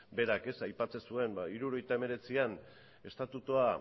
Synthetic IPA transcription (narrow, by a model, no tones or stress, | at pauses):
be̞ɾake̞sajpat͡se̞sue̞mbaiɾuoɾo̞jt̪ae̞me̞ɾe̞t͡sian | e̞st̪at̪ut̪ua